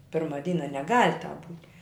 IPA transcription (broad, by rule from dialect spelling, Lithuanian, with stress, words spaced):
ˈpʲɪrmɐ ˈdʲiːnɐ nʲɛˈɡɐlʲ tɑːp buːtʲ